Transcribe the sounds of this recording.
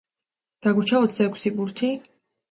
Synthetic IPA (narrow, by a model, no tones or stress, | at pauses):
d̪̥aɡut͡ʃʰaɔt̪sʰd̪aɛkʷʰsibuɾt̪ʰi